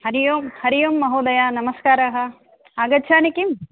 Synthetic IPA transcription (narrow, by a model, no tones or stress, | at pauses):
hɐɾijoːmhɐɾijomːɐɦoːd̪ɐjaːnɐmɐskaːɾɐɦɐ | aːɡɐt͡ʃʰaːnikim